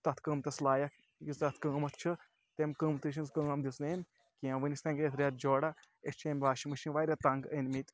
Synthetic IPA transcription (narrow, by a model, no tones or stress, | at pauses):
t̪ɐt̪ʰkɨːmt̪ɐslaːjɐk | jisɐt̪ʰkəːmɐt̪ʰt͡ʃʰɨ | t̪emkɨːmt̪ɨʃ̬inskəɐmd̪isneːmʲ | kiãːʋɨnisʲt̪ɐ̃ŋɡet̪ʰɾʲat̪̚d͡ʒoːɽa | est͡ʃʰeːmʲʋaːʃimɨʃinʋaːɾʲɐt̪aŋɡənʲmit̪